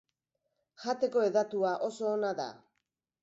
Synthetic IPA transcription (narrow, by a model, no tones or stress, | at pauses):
ʝat̪e̞ko̞e̞ðat̪uaʔo̞so̞ːnaða̰